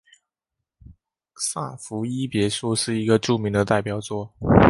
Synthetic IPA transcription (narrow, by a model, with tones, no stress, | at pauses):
sa̰˥˩fu˧˥i˥pjɛ˧˥ʂu˥˧ʂɻ̩˥˩i˧˥ɡə˧ʈ͡ʂu˥˩mi˧˥ŋd̪ə˧t̪a˥˩ɪpjɑ˨˩ʊt͡swɔ˥˩